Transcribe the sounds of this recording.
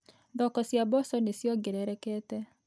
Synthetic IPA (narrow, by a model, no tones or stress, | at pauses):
ðɔkɔsjabɔsɔnesjɔɡeɾɛɾɛkɛtɛ